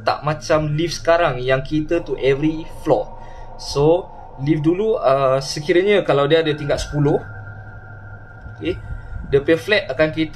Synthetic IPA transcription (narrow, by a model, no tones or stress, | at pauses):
t̪a̰ʔmãt͡ʃamlifsə̥kaɾaŋjaŋkit̪ət̪uʔɛvɾiflɔ | so | lifduluəsəkiɾəɲəkalawdiaːdət̪iŋɡaʔ̚sə̥puloh | okedəpɛflɛt̪akankit̪